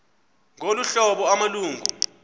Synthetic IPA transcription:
ŋoluɬɔɓɔamaluːŋɡṵ

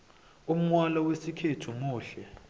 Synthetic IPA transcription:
um̩ŋwalɔwesikʰetʰumuːɬɛ

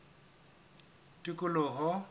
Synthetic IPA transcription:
tʼikʼʊlɔɦɔ

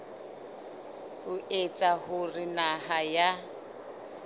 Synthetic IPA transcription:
hʊʔet͡sʼahʊrɪnaɦaja

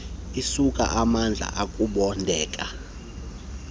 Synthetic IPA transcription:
isukʼa̰ʔamand͡ɮʱa̰ʔakʼuɓɔndʱɛːkʼa

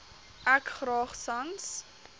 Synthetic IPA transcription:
ʔækχrɑːχsɐns

